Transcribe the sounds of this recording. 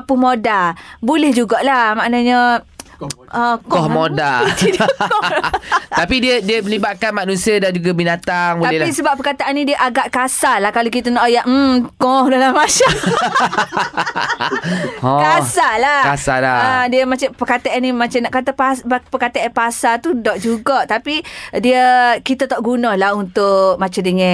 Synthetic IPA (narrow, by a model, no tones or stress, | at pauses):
pumodabulɛhd͡ʒuɡaʔlamaʔnaɲə | əkɔhmodait̪idk | t̪apidiədiəməlibaʔ̚kanmanusiadand͡ʒuɡabinat̪aŋbualɛhlisəbapːəkat̪aʔanːĩdiəʔaɡaʔkasalahkalokit̪anɔʔjaʔm̩kɔhdalamat͡ʃam | ɔkasalakasa̰laədiəmat͡ʃapəkat̪aʔanimãt͡ʃanaʔkat̪apaspəkat̪aʔanpasat̪udɔʔd͡ʒuɡɔʔt̪apidiəkit̪at̪ɔʔɡunalahunt̪ʊkmat͡ʃandəŋɛ̃